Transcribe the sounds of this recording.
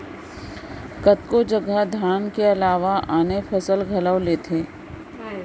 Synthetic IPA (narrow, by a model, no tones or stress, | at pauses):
kɐt̪kod͡ʒɐɡəd̪ʱjaːnkeɐlaːʋaʔaːnefʰɐsəlɡʱɐləʋleːt̪ʰeː